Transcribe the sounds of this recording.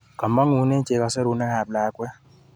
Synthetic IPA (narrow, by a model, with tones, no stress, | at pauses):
ka˨mɔ˦ŋu˨˦ne˦t͡ʃe˨ka˨sɛ˦ɾu˨˦nɛ˦ha˨p̚la˨˦kwɛ˦